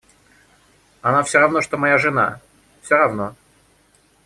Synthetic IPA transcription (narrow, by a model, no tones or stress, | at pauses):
ɐnafsʲoɾɐvno̞ʂt̪omɐjaʐɨna̰ | fsʲoɾɐvno